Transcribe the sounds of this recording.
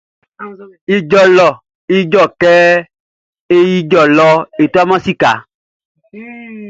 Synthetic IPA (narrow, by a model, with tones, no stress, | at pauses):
i˧d͡ʒɔ˨lɔ˨ | i˧d͡ʒɔ˦˨kɛ˦ | e˦ji˧d͡ʒɔ˨lɔ˧e˨to˦a˦mã˦si˦ka̰˨˦